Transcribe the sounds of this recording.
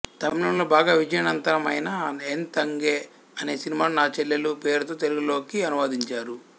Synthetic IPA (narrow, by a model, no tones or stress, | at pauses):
t̪ɐmilɐmloːbaːɡaːʋid͡ʒɐjɐnɐnt̪ɐɾɐmɐjnaent̪ɐŋɡeː | ɐne̞ːsinimaːnunaːt͡ʃelːelupeːɾut̪o̞ːt̪e̞luɡulo̞ːkiɐnuʋaːd̪iɲt͡ʃaːɾu